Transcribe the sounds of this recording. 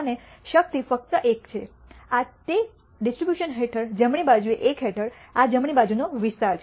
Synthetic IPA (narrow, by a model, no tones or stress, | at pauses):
neʃək̚t̪ifək̚t̪əʔekt͡ʃʰe | at̪e | ɖisʈɾibjuʃənɦeʈʰəɾd͡ʒəmɳ̃ibad͡ʒueʔekɦeʈʰəɾ | ad͡ʒəmɳ̃ibad͡ʒunoʋiʃaɾt͡ʃʰ